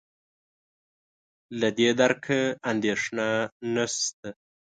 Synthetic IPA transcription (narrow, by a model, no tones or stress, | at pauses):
lad̪ed̪aɾkʰaand̪eʂnanast̪a